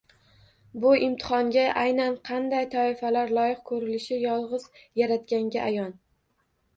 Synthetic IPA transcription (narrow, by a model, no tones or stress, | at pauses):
bʊʔɪmt̪ʰɪ̥χɒŋɡʲaʔajnanqʰɑnd̪ajt̪ʰɒɪfalaɾlˠɒjɪq̚kʰɵɾɪlɪʃɪjɒlˠʁɨzjaɾat̪kʲaŋɡʲaʔajɒn